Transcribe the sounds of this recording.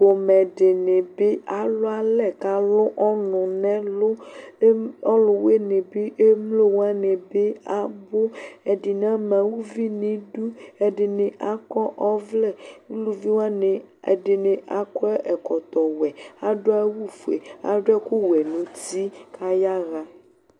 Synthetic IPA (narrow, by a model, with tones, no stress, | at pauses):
o˨mɛ̃˨ɖe˨ne˨be˦ʔa˨lo˦a˦lɛ˨ka˦lo˦ʔɔ˦nʊ̃˨nɛ̃˦lo˦ | ɔ˦lʊ˨we˦ne˨be˦ʔe˦mlo˦wo˦a˦nẽ˨be˦a˨bo˦ɛ˨ɖi˨nã˦mɛ̃˨wu˦vi˦nĩ˨ɖu˦ɛ˨ɖɪ˨nẽ˨ʔa˨kɔ˦ʔɔ˦vlɛ˦˨wu˦lu˦vi˦wo˦a˦ne˨ | e˨ɖe˨nẽ˨ʔa˨kɔ˦ʔɛ˨kɔ˨t̪ɔ˨wɛ˨a˦ɖo˦a˦wu˦fu˨ḛ˨a̰˨ɖo˦a˦ku˦wɛ˨nũ˨t̪i˦kʰa˦ja˦ɣa˨